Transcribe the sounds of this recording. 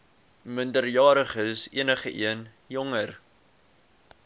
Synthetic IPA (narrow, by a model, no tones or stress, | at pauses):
məndərjɑːɾəχəsḭənəχəʔḭən | jɔŋər